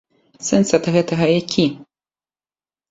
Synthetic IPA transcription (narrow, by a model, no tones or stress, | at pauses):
sɛnsɐd̪ɣɛt̪ɐɣɐjakʲʰi